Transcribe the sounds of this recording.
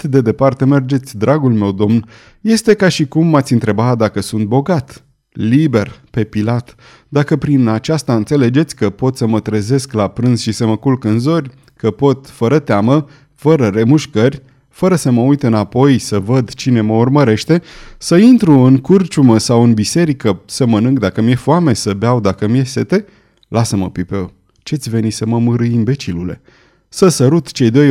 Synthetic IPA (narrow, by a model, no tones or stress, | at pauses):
t̪d̪e̞d̪e̞part̪e̞me̞rd͡ʒe̞t̪sʲd̪ɾʔaɡulme̞wd̪o̞mn | je̞st̪e̞kaʃikumːat̪sʲiɨnt̪ɾe̞bat̪d̪akəsunt̪̚bo̞ɡat̪ | libe̞rpe̞pilat̪ | d̪akəpɾinat͡ʃast̪aɨnt̪se̞le̞d͡ʒe̞t̪sʲkəpo̞t̪səmət̪ɾe̞ze̞sklapɾɨnz̥ʃisəməkulkɨnzo̞rʲ | kəpo̞t̪fəɾət̪eamə | fəɾəɾe̞muʃkərʲ | fəɾəsəməujt̪ɨnapo̞jsəvəd̪t͡ʃine̞məurməɾe̞ʃt̪e̞səint̪ɾuɨŋkurt͡ʃuməsawɨnbise̞ɾikəsəmənɨŋɡ̚d̪akəmje̞fuame̞səbeawd̪akəmije̞se̞t̪e̞ | lasəməpipeo | t͡ʃeat̪sʲve̞nisəməmɨɾɨjimbe̞t͡ʃilule̞̰ | səsəɾut̪t͡ʃe̞jd̪o̞j